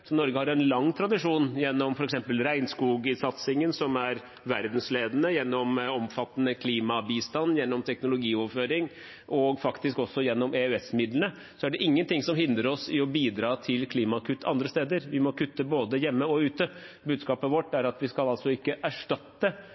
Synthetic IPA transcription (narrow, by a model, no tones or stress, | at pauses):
sɔnɔɾɡəhɑɾɛnlɑŋːt̪ʰɾɑd̪ɪʂuːnjɛnːɔmfɔɾɛksɛmpəlɾæɪnskuːɡɪnsɑt̪sɪŋənsɔmæɾ | ʋæɾd̪nsleːd̪ənəjɛnːɔmɔmfɑt̪ːənəkʰliːmɑbiːst̪ɑnːjɛnːɔmt̪ʰɛknʊlʊɡiːɔʋføːɾɪŋ | ʔɔɡfɑkt̪ɪskɔsːɔjɛnːɔmeøɛsmɪd̪lənə | sɔæɖɛʔɪŋːənt̪ʰɪŋsɔmhɪnd̪ɾəɾɔsɪɔbiːd̪ɾɑːt̪ʰɪlkʰliːmɑkʰʉt̪ːɑ̰nd̪ɾəst̪eːd̪əɾʋɪmɔkʰʉt̪ːəboːd̪əjɛmːəɔʉːt̪ə | bʉːd̪skɑːpəʋɔʈːæɾɑt̪ʋɪskɑlɑlsɔɪkːəʔæʂʈɑt̪ːə